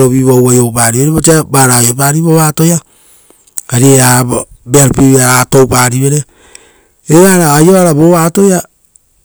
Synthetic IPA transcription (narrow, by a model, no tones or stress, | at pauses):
ɾoβiβowajowpaɾiβeɾeβot͡ʃiabaɾajopaɾiβoβatoja | kaɾieabeaɾpiβaɾatowpaːɾiβeɾe | eβaɾaːjoaɾaβoβaːtoja